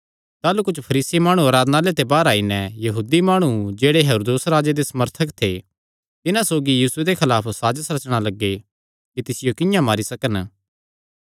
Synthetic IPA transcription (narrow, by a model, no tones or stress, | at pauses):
t̪aːlukʊt͡ʃʰpʰɐɾiːsimaːɽ̃uɐːɾaːd̪naːlet̪ebaːɾaːinɛjɐɦuːd̪imaːɽ̃ud͡ʒeːɽeɦɛɾoːd̪oːsɾaːd͡ʒed̪esɐməɾt̪ʰəkt̪ʰe | t̪ɪnãsoːɡijiːsʊed̪ekʰɐlaːpʰsaːd͡ʒəsɾɐt͡ʃɽ̃alɐɡːe | kit̪ɪsɪjokɪjãmaːɾisɐkən